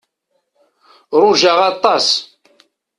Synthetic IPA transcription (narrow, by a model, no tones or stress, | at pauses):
ɾˤuʒaʁɑt̪ˤːɑs